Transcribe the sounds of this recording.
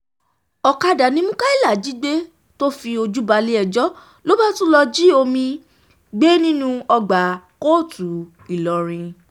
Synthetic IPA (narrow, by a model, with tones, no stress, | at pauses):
ɔ˨ka˧da˨nĩ˨˦mũ˦ka˦i˦˨la˨d͡ʒi˨˦ɡ͡be˦ | to˦fi˧o˧d͡ʒu˦ba˧le˦ɛ˧d͡ʒɔ˦ | lo˦ba˦tũ˦lɔ˧d͡ʒi˦o˧mĩ˧ | ɡ͡be˦nĩ˦nũ˦ɔ˧ɡ͡ba˨ko˦˨tu˨ | i˨lɔ˨ɾ̃ĩ˧